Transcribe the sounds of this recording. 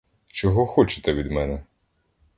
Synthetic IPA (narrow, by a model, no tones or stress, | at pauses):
t͡ʃɔɦɔxɔt͡ʃe̥t̪ɛʋʲid̪mɛnɛ